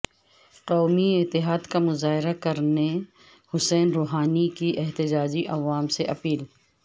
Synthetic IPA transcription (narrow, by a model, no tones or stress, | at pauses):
qɔːmiɪt̪ːɪɦaːd̪kamʊzaːɦɪɾakɐɾne | hʊsɛːnɾoːɦaːnikiʔɛɦt̪ɪd͡ʒaːd͡ʒiʔɐʋaːmseʔɐpiːl